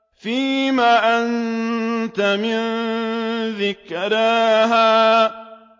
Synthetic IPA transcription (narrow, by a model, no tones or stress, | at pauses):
fiːmaːʔan | t̪amɪn | ðɪkɾˤaɦaː